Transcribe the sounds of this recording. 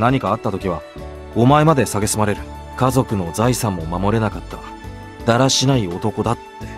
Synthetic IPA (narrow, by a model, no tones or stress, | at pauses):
naɲ̟ikaːt̪ːat̪o̞kʲiβ̞a | o̞mae̞mad̪e̞saɡe̞sɨmaɾe̞ɾɯ̟ | kazo̞kɯ̟no̞zaisãmːo̞mamo̞ɾe̞nakat̪ːa | d̪̥aɾaɕinaio̞t̪o̞ko̞d̪at̪ːe̞̥